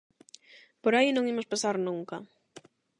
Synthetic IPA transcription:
poɾajnõŋimʊspasaɾnuŋkɐ

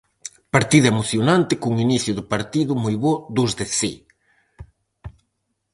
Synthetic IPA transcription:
paɾt̪iðɐemoθjonant̪ɪkuŋiniθjʊðʊpaɾt̪iðʊmojβod̪ʊzðɪsi

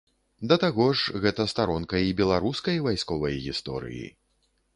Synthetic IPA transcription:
d̪ɐt̪aɣɔʂɣɛt̪ɐst̪aɾɔnkɐibʲɛlˠaɾuskɐjvajskɔvɐjɣʲist̪ɔ̰ɾɨ̰jḭ

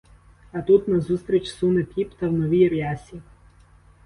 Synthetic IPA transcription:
ɐt̪ut̪nɐzust̪ɾʲit͡ʃsunɪpʲipt̪ɐwnɔʋʲijɾʲjasʲi

